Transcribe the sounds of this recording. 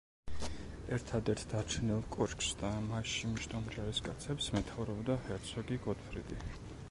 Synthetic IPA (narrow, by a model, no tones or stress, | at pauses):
ɛɾt̪ʰad̪ɛɾt̪ʰd̪aɾt͡ʃʰɛnilˠkʼɔt͡ʃkʼsd̪amaʃimʃt̪ʼɔmd͡ʒaɾiskʼat̪sʰɛpsmɛt̪ʰavɾɔbd̪ahɛɾt̪sʰɔɡiɡɔt̪fʰɾid̪i